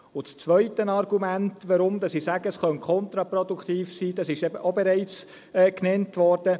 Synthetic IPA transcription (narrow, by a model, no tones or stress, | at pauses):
ʊt͡st͡sʋœʏtənɑɾɡumæntʋɑɾʊmd̥̪ɑsisæɡəsχœnkʰɔnt̪ɾɑpɾɔd̥ukʰt̪iːfsiːd̥ɑsɪʃɛbəʔobɛɾɛɪt͡s | ɛːknɛntʋɔɾd̥ə